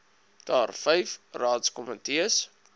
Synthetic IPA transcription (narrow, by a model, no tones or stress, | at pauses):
d̥ɑːrfɛjfrɑːtskɔmətiəs